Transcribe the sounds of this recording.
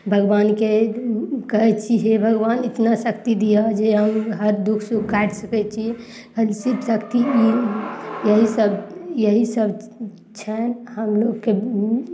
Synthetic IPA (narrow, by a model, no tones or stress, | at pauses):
bʱəɡbanke | kəɦɛt͡ʃʰiɦebʱəɡbanit̪nasəkt̪id̪ijad͡ʒeɦəmɦəɾd̪ukʰsukaʈsəkɛt͡ʃʰi | əlsibsəkt̪ii | jəɦisəbjəɦisəb | t͡ʃʰɛnɦəmloɡkːe